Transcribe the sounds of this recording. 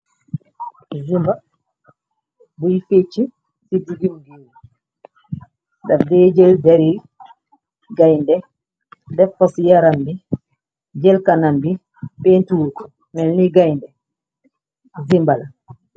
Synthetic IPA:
zimba | bujifet͡ʃːi | siduɡimɡiwu | dafdɛd͡ʒɛldɛɾi | ɡajndɛ | dɛfɔsijaɾambi | d͡ʒɛlkanambi | pentuwuku | mɛlniɡajndɛ | zimbala

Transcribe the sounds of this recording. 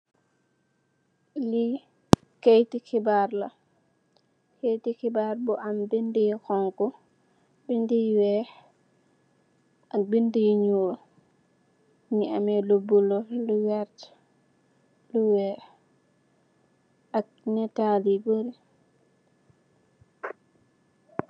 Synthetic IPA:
li | kejtikibaɾla̰ | kejtikibaɾbɔʔambindijikɔŋkɔ | bindijwɛ | ʔak̚bindijiɲul | niamɛlubːulɔluwɛɾt | luwɛ | ʔak̚ | nɛtaliboɾi

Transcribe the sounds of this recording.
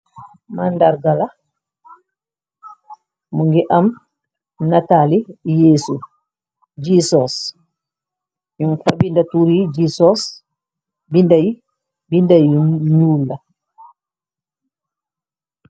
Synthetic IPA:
manːdaɾɡala | muŋɡɛʔam | natalijeːsu | d͡ʒisɔs | junfabindatuɾid͡ʒisɔs | bindaji | bindajnulːa

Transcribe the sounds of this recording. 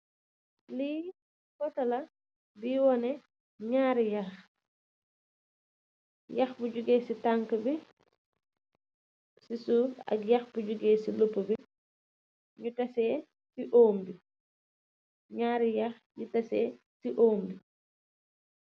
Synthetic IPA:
li | kɔtɐlɐ | biːwɔnɛ | ɲaːɾijɐx | jɐxbuɟuɡɛːsitaŋkəbi | sisuɐ̰kjɐxbuɟuɡɛːsilupːəbi | ɲutɐsɛː | siʔoːmbi | ɲaːɾijɐx | ɲutɐsɛː | siʔoːmbi

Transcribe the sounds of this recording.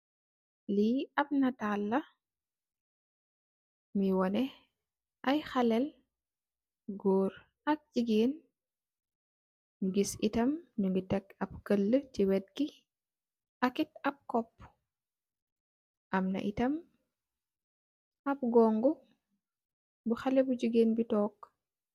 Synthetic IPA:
liɐp̚nɐtalːɐ | miwɔnɛ | ʔɐjxɐlɛl | ɡoːɾ | ɐk̚d͡ʒiɡiːn | nuɡisitɐmɲuŋɡitɛkɐp̚kəlːəciwɛt̚ki | ʔɐkitɐp̚kɔpː | ʔɐmnɐ̰ʔitɐm | ɐp̚ɡɔːŋɡu | buxalɛbuɟiɡeːnbitɔːk

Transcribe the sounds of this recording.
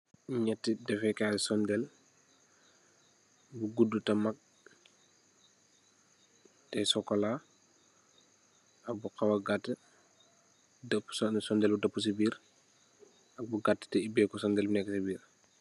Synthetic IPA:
ɲɛtːidɛfɛkasɔndɛl | buɡudːutɐmɐk̚ | tɛsɔkːɔla | ɐbuqɐwɐɡatːə | dɐpːssɔndɛlbudɐpːus̬ibiːɾ | ɐk̚buɡatːə̥tɛibɛːkusɔndɛlbunɛkːɐsibiːɾ

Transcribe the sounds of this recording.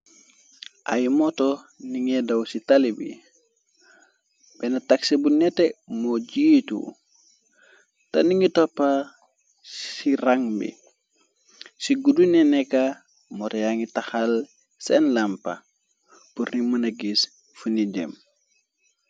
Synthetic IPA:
ʔajmɔtɔ | niŋɛdawsitalibḭ | b̥ɛnataksibunɛtɛmɔd͡ʒiːtṵ | taniŋitɔpːa | ssiɾaŋbḭ | siɡudunɛnɛka | mɔtɛjaŋitaxal | sɛnlampa̰ | puɾnimanaɡis | funid͡ʒɛ̰m

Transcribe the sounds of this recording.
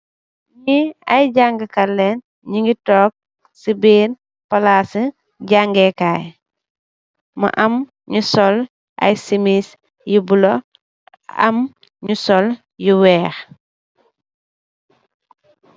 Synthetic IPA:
ɲiɐjɟaŋɡəkɐlːɛn | ɲiŋɡitɔːk̚ | sibiːn | pɐlasə | ɟaŋɡekaːj | mɐ̰ʔɐm | ɲusɔl | ʔɐ̰jsimis | jibulo | ɐ̰m | ɲusɔl | juwɛːx

